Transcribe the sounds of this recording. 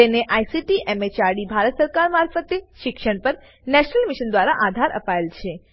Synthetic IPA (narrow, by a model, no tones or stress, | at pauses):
eneʔajsiʈiʔɛmet͡ʃaɾɽibʱaɾət̪səɾkaɾmaɾfət̪eʃɪkʃəɳ̃pəɾ | nɛʃnəlmiʃənd̪ʋaɾaʔad̪ʱaɾə̰paelt͡ʃʰe